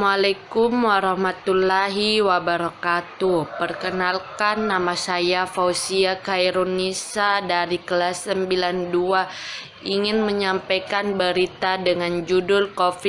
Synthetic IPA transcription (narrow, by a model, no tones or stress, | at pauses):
malakʊmwaɾahmat̪ulaɦiwabəɾakat̪upərkənalkanːamasajafausiakaiɾonisadaɾikəlasːəmbilandua | ʔiŋɪnməɲampajkanbəɾit̪adəŋand͡ʒudʊlkofi